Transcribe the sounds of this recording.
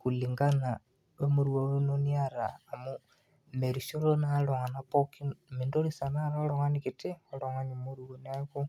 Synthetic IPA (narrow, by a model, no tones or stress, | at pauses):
kuliŋɡana | emoɾwawenoniaɾaːmo | meɾiʃolonaloŋanapokinmindoɾisanaɾoloŋanikitioloŋaɲimoɾuonako